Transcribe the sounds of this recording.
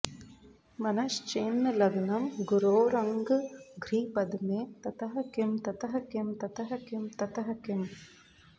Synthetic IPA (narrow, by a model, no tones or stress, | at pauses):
mɐnɐʃt͡ʃeːnːɨlɐɡɐnɐmɡuɾoːɾɐŋɡɨɡɾiːpɐd̪umeːt̪ɐt̪ɐɦɐkemt̪ɐt̪ɐɦɐkemt̪ɐt̪ɐɦɐkɪmt̪ɐt̪ɐɦɐkem